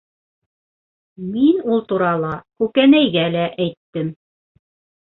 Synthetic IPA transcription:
minulˠt̪uɾɑlˠɑkʉkænæjɡælæʔæjt̪ːɘm

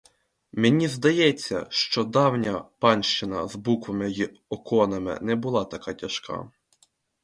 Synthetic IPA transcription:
menʲizd̪ɐjɛt͡sʲːɐ̰ʃt͡ʃɔd̪ɑwnʲɐpɑnʲʃt͡ʃɪnɐ̰zbukʋɐmɪji | ɔkɔnɐmɪ̰nɛbʊlˠɑt̪ɐkɑtʲɐʃkɑ̰

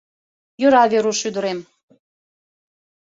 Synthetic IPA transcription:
jøɾɑβeɾuʃyd̪ə̆ɾem

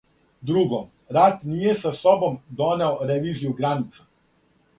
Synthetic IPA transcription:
d̪ɾuɡom | ɾat̪niːjesasobo̞md̪oneoɾeʋiːzijuɡɾanit̪sḁ

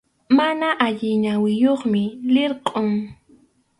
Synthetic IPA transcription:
manaʔaʎɪɲawɪjoχmɪlɪɾqʼʊŋ

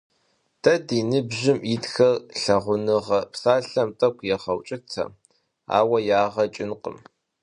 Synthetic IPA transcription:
tʰɐdiːnɨbʑɪmitxɐrɬɐʁʷʊnɨʁɐpsaːɬɐmtʼɐkʷʰʼjɛχɐwt͡ʃʼɪtʰɐ̰ | a̰ːwɐjaːʁɐt͡ʃʼɪnqə̰m

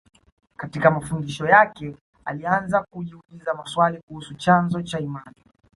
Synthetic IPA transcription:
katikamafundiʃɔjakɛ | alianzakuʄiulizamaswalikuhusut͡ʃanzɔt͡ʃaimani

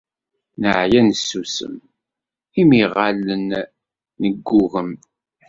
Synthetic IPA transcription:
nəʕjænəsːusə̰m | imiʁalənː | əɡːuɣəm

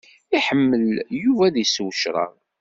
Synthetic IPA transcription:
iħəmːəljuvæðjswəʃɾˤə̰ʁ

